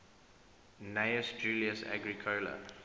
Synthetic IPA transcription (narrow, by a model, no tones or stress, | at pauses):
neɪəsd͡ʒuːliəsæ̰ɡɹikʰolə̰